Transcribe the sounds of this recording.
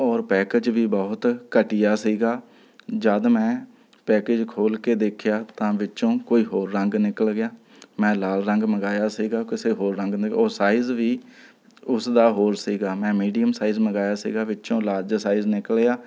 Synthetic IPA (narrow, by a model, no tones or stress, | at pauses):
ɔːɾpɛːkeːd͡ʒʋiːbɔːɦʊt̪kəʈɪjaːsiːɡaː | d͡ʒəd̪mɛ̃ː | pɛːkeːd͡ʒkʰoːlkeːd̪eːkʰjaːt̪ãːʋɪt͡ʃõːkoːiːɦoːɾːəŋɡnɪkəlɡɪjaː | mɛ̃ːlaːlɾəŋɡməɡaːjaːsiːɡaːkɪseːɦoːɾːə̃ŋɡnɪɔːɾsaːizʋiː | ʊsd̪aːɦoːɾsiːɡaːmɛ̃ːmiːɖijəmsaːizməɡaːjaːsḭːɡaːʋɪt͡ʃõːlaːɾd͡ʒsaːiznɪkəljaː